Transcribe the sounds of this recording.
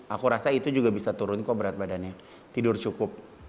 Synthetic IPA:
akuɾasait̪ud͡ʒuɡabisat̪uɾʊnkabəɾat̪̚badanɲa | t̪idʊrt͡ʃukʊp̚

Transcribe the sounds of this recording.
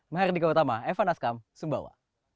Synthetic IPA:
maɦɛrdikaut̪amaɛfanaskamsumba̰wa̰

